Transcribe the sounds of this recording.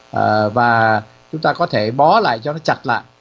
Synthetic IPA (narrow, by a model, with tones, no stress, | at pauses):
ʔəː˨˩vaː˨˩ | t͡ɕʊ˨˦ŋ͡mt̪aː˧kɔ˨˦t̪ʰe˧˩ɓɔ˨˦la̰ː˧˨jt͡ɕɔ˧nɔ˨˦t͡ɕa˨˩t̚la̰ː˧˨j